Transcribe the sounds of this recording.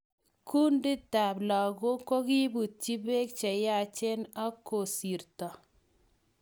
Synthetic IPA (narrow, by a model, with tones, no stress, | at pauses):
ku˦ndɪ˦ta˨bla˨ɡo˦ko˦ki˦bu˨t̚t͡ʃi˦be˦k̚t͡ʃɛ˨ja˦˨t͡ʃɛ˦na˦kːo˨si˨ɾtɔ˨